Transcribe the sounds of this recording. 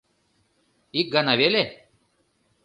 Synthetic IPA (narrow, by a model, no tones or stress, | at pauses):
ik̚ɡɐnɐʋele